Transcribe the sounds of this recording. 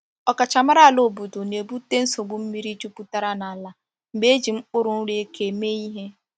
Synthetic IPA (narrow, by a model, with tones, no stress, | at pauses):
ɔ˨ka˨t͡ʃa˨ma˦ɾa˦a˨lo˨bu˨do˨ne˨bu˦te˦n̩˦so˨ɡ͡bʊ˦m̩˦mi˦ɾi˦t͡ʃu˦pu˦ta˦ɾa˦na˨a˨la˦ | m̩˨ɡ͡be˦e˦d͡ʒi˨m̩˦k͡pʊ˦ɾʊ˨n̩˦ɾe˦e˦ke˨me˦i˦ɦe˦